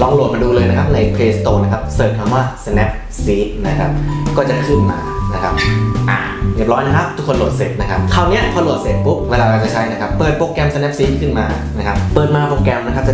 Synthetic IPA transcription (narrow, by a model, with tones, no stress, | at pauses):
lɔː˧ŋlu˨˩ət̪̚maː˧duː˧lɤː˧jna˥kʰa˦˥p̚na˧jpʰleː˧st̪oː˧na˦˥˩kʰa˦˥p̚sɤː˨˩t̪̚kʰa˧mwaː˥˩sa˧nɛ˦˥p̚ | siː˦˥t̪̚na˦˥kʰa˦˥p̚kɔː˥˩t͡ɕa˨˩kʰɯ˥˩nma̰ː˧na˦˥kʰa˦˥p̚ʔa̰ː˨˩bi˨˩p̚ɾɔː˦˥na˦˥kʰa˦˥p̚t̪ʰu˦˥kʰːo˧nlo˨˩t̪sḛ˨˩t̪̚na˦˥kʰa˦˥p̚kʰa˧˩wni˦˥ɐpʰɔː˧lu˨˩əse˨˩t̪̚pu˦˥p̚weː˧laː˧aː˧˩t͡ɕa˨˩t͡ɕʰa˦˥jna˦˥kʰa˦˥pːɤː˨˩t̪̚poː˧kɛ˧msa˧nɛ˦˥p̚siː˦˥t̪̚kʰɯ˥˩nmaː˧ | na˦˥kʰa˦˥p̚ːɤː˨˩t̪̚maː˧poː˧kɛ˧mn˧˦˥kʰa˦˥p̚t͡ɕa˨˩